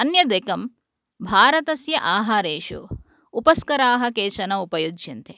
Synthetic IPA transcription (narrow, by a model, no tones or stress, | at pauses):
ɐnjɐd̪eːkɐm | bʱaːɾɐt̪ɐsjɐʔaːɦaːɾeːʃṵ | upɐskɐɾaːɦɐkeːʃɐnɐupɐjud͡ʒʃint̪ʰe